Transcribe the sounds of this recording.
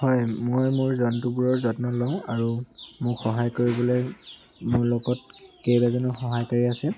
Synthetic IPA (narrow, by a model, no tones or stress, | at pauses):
hɔjmojmʊɹzɔntubuɹɔɹzɔtnɔlɔʊ̃aɹumʊkxɔɦajkoɹibɔloj | mʊɹlɔɡɔt̚kejbazɔnɔxɔɦajkaɹiasɛ